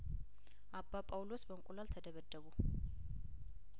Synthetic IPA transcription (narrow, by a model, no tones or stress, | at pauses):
ʔabːapʼawlo̞sbəŋkʷʼulalt̪ʰəd̪əβəd̪ːəβu